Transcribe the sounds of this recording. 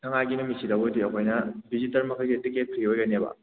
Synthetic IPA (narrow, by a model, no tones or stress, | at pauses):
tʰɐŋajɡinumisidɐwodijɐkʰojnɐbizitɐlmɐkʰɐjɡietiket̚kʰɾiɡiojɡɐnebɐ̰